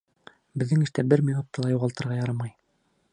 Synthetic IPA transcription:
bɘ̆ðːɘŋɘ̆ʃt̪æbɘɾminop̚t̪ɑlˠɑjuʁɑlˠt̪ɤ̆ɾʁɑjɑɾɑmɑj

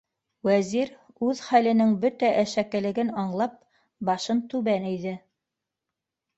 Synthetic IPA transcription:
wæziɾ | ʉðχælɘ̆nɘŋbɵt̪æʔæʃækɘ̆lɘ̆ɡɘnɑɴlˠɑp̚ | bɑʃɤnt̪ʉβænɘ̆jðɘ

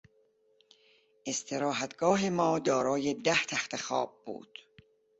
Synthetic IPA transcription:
ʔe̞st̪ʰeɾɒːɦæt̪ɡ̥ɒːɦemɒːd̪ɒːɾɒːjed̪æht̪ʰæxt̪ʰexɒ̰ːb̚ːṵːd̪̥

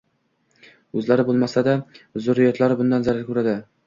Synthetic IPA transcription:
ɵzlaɾɪbolˠmasad̪azʊɾɪjɒt̪laɾɪbʊnd̪anzaɾaɾkʲɵɾad̪ɪ

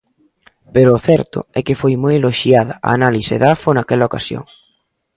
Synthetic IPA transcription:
peɾʊːθɛɾt̪ʊ̰ɛkɪfojmojeloʃjaðɐ̰ʔa̰ːnalisḛðafonakɛlɐokasjo̰ŋ

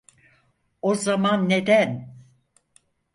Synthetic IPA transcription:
ozamanːe̞d̪æn

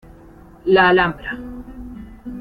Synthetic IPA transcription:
laːlambɾa

